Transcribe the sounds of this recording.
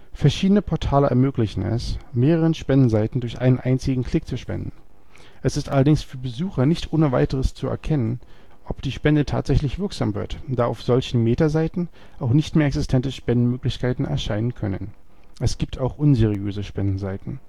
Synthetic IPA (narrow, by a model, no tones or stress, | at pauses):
fɛɐʃiːdənəpʰɔɐtʰaːləʔɛ̰ɐmøːklɪçn̩ɛ̰smeːʁəʁənʃpɛndn̩zaɪtn̩dʊɐçʔa̰ɪnənʔaɪnt͡sɪɡŋ̩kʰl̥ɪk̚t͡suʃpɛ̰ndn̩ | ʔɛsɪstʔalɐdɪŋsfyːɐbəzuːxɐnɪçtʔoːnəva̰ɪtəʁəst͡suɛ̰ɐkʰɛnən | ʔɔpd̥iːʃpɛndətʰa̰ːtz̥ɛçlɪçv̥ɪɐkz̥aːmvɪ̰ɐtd̥aːaʊfz̥ɔlçn̩meːtɐzaɪtn̩ | ʔaʊxnɪçtmeːɐɛksɪstʰɛntəʃpɛndn̩møːklɪçkʰaɪtn̩ɛ̰ɐʃaɪnənkʰœnən | ʔɛsɡ̥iːp̚tʰaʊxʔʊnzeːʁ̞iøːzəʃpɛndn̩zaɪtn̩